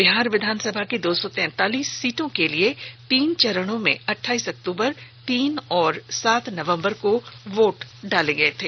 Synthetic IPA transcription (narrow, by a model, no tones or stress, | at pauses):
bɪɦaːɾʋɪd̪ʱaːnsəbʱaked̪oːsɔt̪ɛ̃ːt̪aːliːsːiːʈõkeliet̪iːnt͡ʃɐɾəɽ̃õmḛ̃ɐʈʰːaːiːsɐk̚t̪uːbəɾt̪iːnɔːɾsaːt̪ʰnɐʋə̃mbəɾkoʋoːʈɖaːleɡɐet̪ʰeː